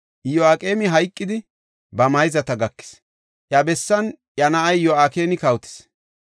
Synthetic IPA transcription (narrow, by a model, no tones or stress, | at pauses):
jɔaːkʼeːmɪɦɐjkʼːɪd̪ɪ | bɐmɐjɪzɐt̪ɐɡɐkːɪ̥s | ʔjɐbɛsːɐnʔjɐnɐʔɐjjɔaːkeːnɪkɐwt̪ɪ̥s